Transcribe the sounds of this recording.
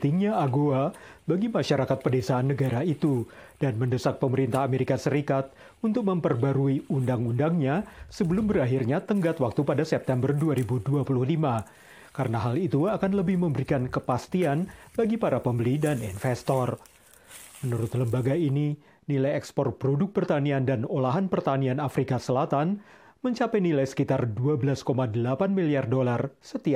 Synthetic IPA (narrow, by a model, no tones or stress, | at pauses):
t̪iŋɲaaɡoabaɡimaʃaɾakat̪̚pədesaːnːəɡaɾait̪ud̥anməndəsak̚pəməɾint̪aɦameɾikasəɾikat̪̚ | unt̪ʊk̚məmpərbaɾuiundaŋundaŋɲasəbəlʊmbəɾaɦirɲat̪əŋɡat̪wak̚t̪upadasɛp̚t̪ɛmbərduaɾibuduapuluhlima | kaɾənaɦalit̪uakanləbɪhməmbəɾikankəpast̪ianbaɡipaɾapəmbəlidaninfɛst̪ɔr | mənuɾʊt̪ləmbaɡaini | nilajɛkspɔr̚pɾodʊk̚pərt̪aniandanolaɦanpərt̪anianafɾikasəlat̪an | məɲt͡ʃapɛjnilajsə̥kit̪arduabəlaskomadəlapanmiliardolarsət̪ia